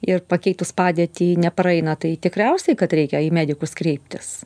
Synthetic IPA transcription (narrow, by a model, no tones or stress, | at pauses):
ɪrpɐkʲɛɪt̪ʊspɑːd̪ʲiɛt̪ʲiːnʲɛpɾɐɪnɐt̪ɐɪt̪ʲɪkɾʲɛʊsʲɛɪkɐt̪ɾʲɛɪkʲɛiːmʲæːd̪ʲɪkʊskɾʲɛɪpʲt̪ʲɪs